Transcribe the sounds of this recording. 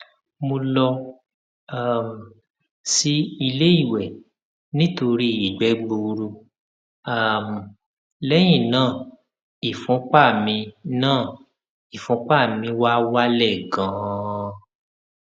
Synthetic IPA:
mo˧lɔ˧ | a˦˨m̩˨ | si˧i˧le˦i˦˨wɛ˨ | nĩ˦to˧ɾi˦i˨ɡ͡bɛ˨˦ɡ͡bo˧ɾu˧ | a˦˨m˨ | lɛ˦j̃ĩ˦˨nãː˦˨ | i˨fũ˨˦k͡pa˦˨mĩ˧nãː˦˨ | i˨fũ˨˦k͡pa˦˨mĩ˧wa˦wa˦lɛ˦˨ɡã˨˦

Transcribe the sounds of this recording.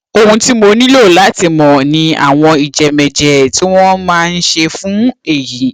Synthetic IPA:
o˧hũ˧ti˦mo˧nĩ˦lo˦˨la˨˦ti˧mɔ̃˨nĩ˧a̰˦˨w̃ɔ̃˧i˨d͡ʒɛ˨mɛ˨d͡ʒɛ˨˧ti˦w̃ɔ̃˦mãː˦˧n̩˦ʃe˧fũ˨˦e˦˨ji˨˦

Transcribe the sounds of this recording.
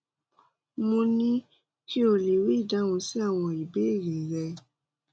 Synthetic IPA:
mõ˧nĩ˦ | ki˦o˧le˨wi˦i˦˨da˨˦w̃ɔ̃˧si˦a˦˨w̃ɔ̃˧i˨be˨˦i˦˨ɾe˨ɾɛ˧

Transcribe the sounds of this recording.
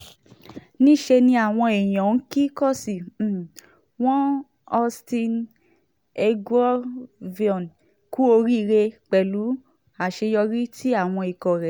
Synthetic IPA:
nĩ˦˨ʃe˧nĩ˧a˨w̃ɔ̃˧e˨j̃ɔ̃˨n̩˦ki˦kɔ˦˨si˨ | w̃ɔ̃˦ | ɔ˧stĩ˧n | e˧ɡwɔ˦vi˧ɔ̃˨n | ku˦o˧ɾi˦˧ɾe˧k͡pɛ˨lu˨˦ | a˨ʃe˧jɔ˧ɾi˦tʰi˦a˦˨w̃ɔ̃˧i˨kɔ˨ɾɛ˨

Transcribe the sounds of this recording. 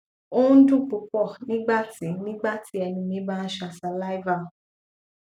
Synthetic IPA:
o˦dũ˦˨k͡pu˨˧˦k͡pɔ˦˨nĩ˦ɡ͡ba˦˨ti˨˦nĩ˦ɡ͡ba˦˨ti˨˦ɛ˧nĩ˧nĩ˨˦bã˦˧n̩˦ʃa˧˨sa˨˧la˦i˦va˦˨

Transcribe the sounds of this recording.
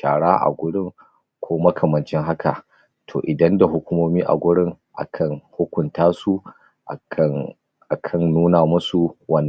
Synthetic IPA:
taː˨ɽaː˦ʔa̰˨ɡʷʊ˦ɽɪ˦˨ŋ | kʷoː˦mɐ˦kʰɐ˨mɐ˨nt͡ʃɪ˦ŋɦa˦kʰa˨ʔ | tʰoː˨ʔɪ˨dɐ˦nda˨ɦʊ˦kʷʊ˦moː˦miː˦ʔa̰˨ɡʷʊ˦ɽɪ˦ŋ | ʔa̰˨kʰɐ˦ŋhʊ˦kʷʊ˨ntaː˦su˦ | ʔ | ʔa˨kʰɐ˦˨nːuː˦naː˨mʊ˦su˨wɐ˦nː˨

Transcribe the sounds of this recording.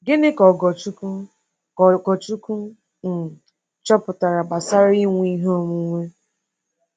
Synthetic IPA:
ɡɪ˦nɪ˦kɔ˨ɡɔ˨t͡ʃu˦ku˦˨ | kɔ˨t͡ʃu˦ku˦ | n̩˨ | t͡ʃɔ˦pʊ˨ta˨ɾa˨ba˨sa˦ɾi˦ŋʷ˦i˦ɦo˦˨mu˨˦ŋʷe˦

